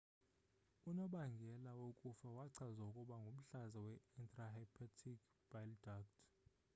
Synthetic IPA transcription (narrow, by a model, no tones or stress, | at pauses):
unɔɓaŋɡʱɛlawokʼufawaǀʰazaukʼuɓaŋɡʱum̩ɬazawɛɛntʰʼrahajpʰatʰik | b̥ajldak̚tʰ